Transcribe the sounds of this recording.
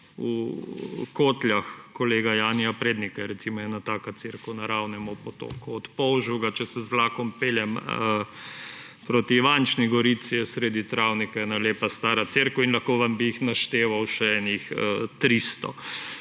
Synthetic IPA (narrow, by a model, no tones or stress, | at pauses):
u | koːt̪lʲjaxkɔleːɡajaːnijapɾeːd̪nikaɛɾɛt̪simɔjɛnat̪aːkat̪seɾkʊnaɾaːwnɛmɔpɔt̪o̰ːkuɔt̪pɔwʒuwɡat͡ʃɛsɛzʋlaːkɔmpeːljɛm | pɾoːt̪iʋant͡ʃniɡɔɾit̪sijɛsɾeːd̪it̪ɾawnikaɛnaleːpast̪aːɾat̪seɾkɔinlɐxkoːʋambiixnaʃt̪eːʋawʃɛɛnixət̪ɾiːst̪ɔ̰